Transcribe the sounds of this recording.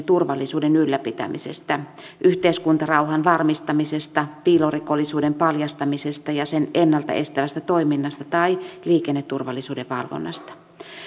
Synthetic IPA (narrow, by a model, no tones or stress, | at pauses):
t̪urʋɑlːisuːdenylːæpit̪æ̰mḭsest̪æ | ʔyht̪eiskunt̪ɑrɑuɦɑnʋɑrmist̪ɑmisest̪ɑpiːloriko̞lːisuːdempɑljɑst̪ɑmisest̪ɑjɑsenenːɑlt̪ɑ̰ʔe̞st̪æʋæst̪æt̪o̞iminːɑst̪ɑt̪ɑiliːkenːet̪ːurʋɑlːisuːdeʋʋɑ̰lʋo̰nːɑ̰st̪ɑ̥